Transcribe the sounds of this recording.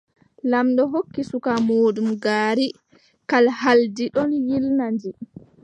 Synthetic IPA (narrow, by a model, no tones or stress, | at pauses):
lamɗɔɦokːisukamoːɗumɡaːɾi | kalhaldiɗɔnjilnandi